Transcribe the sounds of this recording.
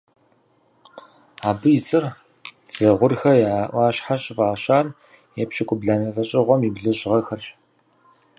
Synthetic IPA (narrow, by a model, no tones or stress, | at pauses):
aːbɨjɪt͡sʼɨr | z̥ɐʁʷʊrxɐjaʔʷɑːɕħaɕʼɪvaːɕaːn | jɛpɕɪkʷʼʊbɮaːnɐfɐɕʼɪʁʷɔmibɮɨʑʁɐxɐrɕʼ